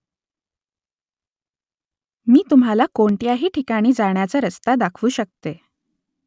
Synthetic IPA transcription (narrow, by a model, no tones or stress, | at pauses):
miːt̪um̤alakoɳʈjaɦiːʈʰikaɽ̃iːd͡zaɳjat͡saəɾəst̪ad̪akʰʋuːɕək̚t̪e